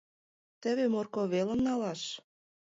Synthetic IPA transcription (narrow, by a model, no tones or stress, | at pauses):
t̪ə̆βemorkoβelə̆mnɑlɑʃ